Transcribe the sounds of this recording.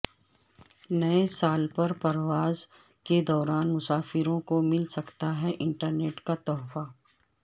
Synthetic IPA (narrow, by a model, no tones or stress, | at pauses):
nɐesaːlpɐɾpɐɾwaːz | ked̪ɔːɾaːnmʊsaːfɪɾõkomɪlsɐkt̪aɦɛʔɪ̃ɳʈəɾneːʈkat̪ɔːfa